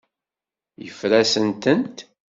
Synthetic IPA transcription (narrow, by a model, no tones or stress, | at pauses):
jəfɾæsənt̪ənt̪